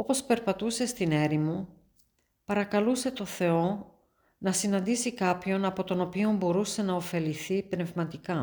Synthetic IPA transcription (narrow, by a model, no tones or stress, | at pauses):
o̞po̞spe̞ɾpɐt̪use̞st̪ine̞ɾimu | pɐɾɐkɐluse̞t̪o̞θe̞o̞ | nɐsinɐnd̪isikɐpço̞nɐpo̞t̪o̞no̞pio̞mbo̞ɾuse̞nɐo̞fe̞liθipne̞vmɐt̪ikɐ